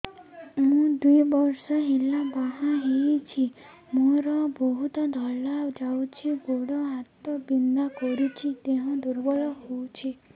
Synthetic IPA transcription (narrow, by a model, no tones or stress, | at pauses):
mũd̪ujbɔɾsɔɦilabaɦãɦeit͡ʃʰi | mũɾɔbɔɦut̪ɔd̪ʱɔlad͡ʒawt͡ʃʰiboɽɔɦat̪ɔbind̪akɔɾit͡ʃʰit̪eɦɔ̃d̪uɾbɔɭɔɦowt͡ʃʰi